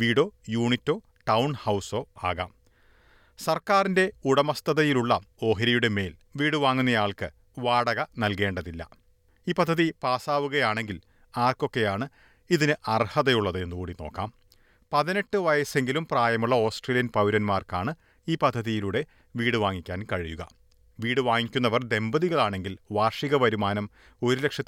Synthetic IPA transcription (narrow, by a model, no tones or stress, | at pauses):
ʋiːɽo̞ːjuːɳitːo̞ː | ʈɐwɳhɐwso̞ːaːɣa̰ːm | sɐrkaːrinde̞uɽɐmɐst̪ɐðɐjiluɭːɐo̞ːɦɐɾɐjuɽe̞me̞ːlʋiːɽɨʋaːŋːunːɐjaːɭkɨ̰ | ʋaːɽɐɣɐnɐlke̞ːɳɖɐðilːɐ̰ | iːpɐd̪ʱːɐðipaːsaːʋuɣɐjaːɳe̞ŋɡil | aːrko̞kːe̞jaːɳɨ | iðinɨʔɐrhɐðɐjuɭːɐðɨe̞nːɨkuːɽino̞̰ːkːa̰ːm | pɐðine̞ʈːɨʋɐjɐse̞ŋɡilumpraːjɐmuɭːɐo̞ːsʈreːlijɐnpɐwɾɐnmaːrkaːɳɨ | iːpɐd̪ʱːɐðijiluɽe̞ | ʋiːɽɨʋaːŋːikʲːaːnkɐɻijuɣɐ̰ | ʋiːɽɨʋaːŋːikʲːun̪ːɐʋɐrd̪e̞mbɐðiɣɐɭaːɳe̞ŋɡilʋaːrʂiɣɐʋɐɾumaːnɐm | o̞ɾule̞kʂɐt̪ː